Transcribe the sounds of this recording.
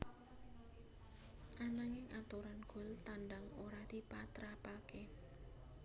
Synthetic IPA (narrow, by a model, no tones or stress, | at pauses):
ʔanaŋɪŋʔat̪uɾanɡ̥ʊ̤lt̪anɖaŋoɾad̪̥ipat̪ɾapake